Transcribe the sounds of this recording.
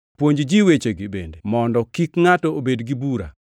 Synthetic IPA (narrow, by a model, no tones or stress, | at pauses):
pwoɲd͡ʒd͡ʒiwet͡ʃeɡibḛndemɔndɔkikŋatɔobedɡibuɾa̰